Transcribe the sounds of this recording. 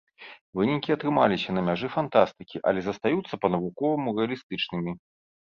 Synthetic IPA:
vɨnʲikʲiɐt̪ɾɨmalʲisʲɐnɐmʲaʐɨfant̪ast̪ɨkʲiʔɐ̰lʲɛzɐst̪ajut̪sːɐpɐnɐvukɔvɐmurɛɐlʲist̪ɨt͡ʂnɨmʲi

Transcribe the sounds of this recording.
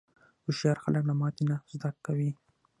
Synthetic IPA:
ʊʃjɑɾxaləknamɑt̪inazd̪akːawi

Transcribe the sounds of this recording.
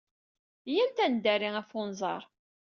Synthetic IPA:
jænt̪ænd̪æɾiŋæfʊnzˤɑ̰ɾˤ

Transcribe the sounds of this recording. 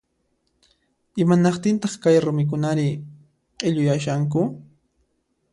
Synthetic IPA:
ɪmanɑqt̪ɪnt̪ɑχkajɾʊmɪk̬ʊnaɾɪ | qʼeʎʊjaʃaŋkʊ

